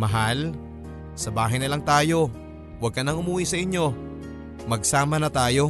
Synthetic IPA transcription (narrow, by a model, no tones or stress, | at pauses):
mɐɦal | sɐbaːɦɐjnɪlaŋt̪aːjo̞ | wɐɡ̚kɐnɐŋʊmuːwisɐʔɪɲjo̞ | mɐɡ̚saːmɐnɐt̪aːjo̞